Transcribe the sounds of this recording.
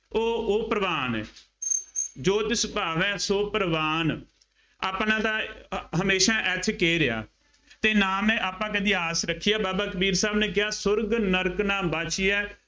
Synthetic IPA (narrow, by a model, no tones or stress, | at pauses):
oːoːpɾəʋaːnɛ̰ː | d͡ʒoːt̪ɪsbaːʋɛ̃ːsoːpəɾəʋaːn | aːpnãːt̪ãːɦəmeːʃaːʔɛt̪ʰkeːɾɪa̰ː | t̪eːnaːmẽːʔaːpãːkɛd̪iaːsɾəkʰːijaːbaːbaːkəbiːɾsaːbneːk̬ɪjaːsʊɾɡnəɾknaːmbaːt͡ʃiːɛː